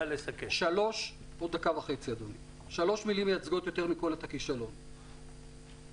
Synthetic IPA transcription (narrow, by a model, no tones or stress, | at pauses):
lesakeʃalo̞ʃ | bod̪akavaχe̞t͡siad̪oni | ʃalo̞ʃmilimjat͡sɡo̞t̪jo̞t̪e̞ʁmiko̞let̪akiʃalo̞n